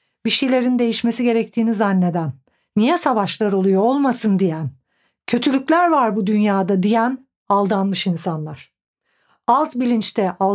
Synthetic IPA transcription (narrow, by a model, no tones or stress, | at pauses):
biʃijlʲe̞ɾind̪e̞jiʃme̞siɟe̞ɾɛc̚t̪ʰiːnizanlʲe̞d̪ænː | ijɛsavaʃlˠaɾo̞lˠujoolˠmasɯnd̪ijæn | cʰø̞t̪ʰylʲyclʲæɾvaɾbud̪ynjaːd̪ad̪ijæn | alˠd̪anmɯʃinsanlˠaɾ̝̥ | alˠt̪bilʲint͡ʃt̪ʰɛʔa